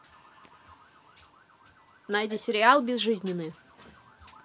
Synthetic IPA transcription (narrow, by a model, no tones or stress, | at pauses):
najdʲisʲɪɾʲɪalˠbʲɪzʐɨzʲnʲɪnːɨj